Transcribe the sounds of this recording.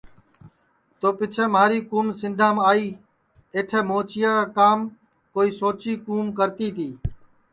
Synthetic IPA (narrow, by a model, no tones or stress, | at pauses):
t̪oːpɪt͡ʃʰẽːmaːɾiːkuːmsɪ̃nd̪ʱaːmaːiː | eːʈʰeːmoːt͡ʃɪjãːkaːkaːm | koːiːsoːt͡ʃiːkuːmk̬əɾt̪iːt̪ʰiː